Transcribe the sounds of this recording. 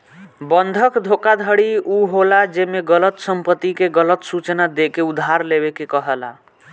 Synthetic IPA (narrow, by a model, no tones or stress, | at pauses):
bənd̪ʱəkd̪ʱokad̪ʱəɽiuɦolad͡ʒemeɡələt̪səmpət̪ːikeɡələt̪sut͡ʃnad̪ekeud̪ʱːaɾleβekekəɦəla̰